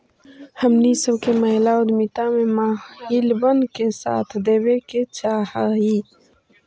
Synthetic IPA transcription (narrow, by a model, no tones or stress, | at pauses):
hɐmnisəbkemɐɦlaːwd̪mit̪amẽmaːhilbənkesa̰ːt̪ʰd̪eːbeket͡ʃaːhaːɦiː